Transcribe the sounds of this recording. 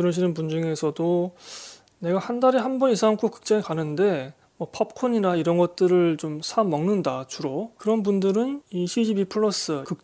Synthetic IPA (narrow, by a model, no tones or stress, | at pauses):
kɯɾʌɕʰinɯnpund͡ʑuŋe̞sʰʌdo | ne̞ɡahandaɾeɦanbʌnisʰaŋkʰokɯ̥k̚t͡ɕ͈ʌŋikanɯnde̞ | mʌpʰʌp̚kʰoɲinaiɾʌnɡʌt̚t͈ɯɾɯɭt͡ɕomsʰamːʌŋnɯndat͡ɕuɾokɯɾʌnbundɯɾɯniɕʰid͡ʑibipʰɯɭːʌs͈ɯkɯk̚